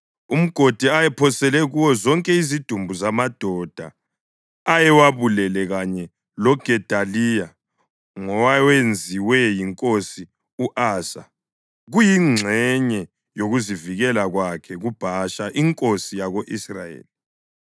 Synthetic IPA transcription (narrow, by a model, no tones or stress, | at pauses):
um̩ɡ̥ʱod̥ʱiajɛpʰɔsɛlɛɣuwɔzɔŋkʼɛizid̥ʱumbʱuzamad̥ʱɔd̥ʱa̰ː | jɛwaβulɛlɛɣaɲɛ | lɔɡ̥ʱɛd̥ʱalija | ŋɔwawend͡zʱiwɛjiŋkʼosi | uʔaːsa̰ | ɣujiŋ͡ǀʱɛɲɛ | joɣuziviɣɛlaɣwakʰɛɣub̥ʱaʃaʔiŋkʼosijaɣoʔisrajḛːli